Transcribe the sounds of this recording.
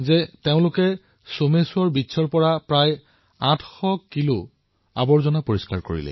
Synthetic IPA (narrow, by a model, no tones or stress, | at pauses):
zɛteʊ̃lʊkɛ | somesʊɔɹbitːsʰɔɹpɔɹapɹaj | ãtʰxɔkilu | a̰bɔɹzɔnapoɹiskaɹkoɹḭlɛ̰